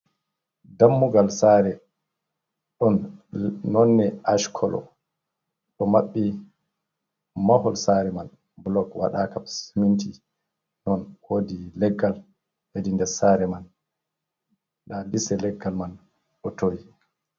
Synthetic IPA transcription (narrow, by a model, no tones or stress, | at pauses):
damːuɡalsaɾɛ | ɗɔnː | ɔnːɛaʃkʰɔlɔ̰ | ɗɔmaɓːi | mahɔlsaɾɛman | blɔkwa̰ɗakamsiminti | nɔnwodilɛɡːal | hedindɛɾsaːɾɛman | ɗadisɛlɛɡːalman | ɗɔtoji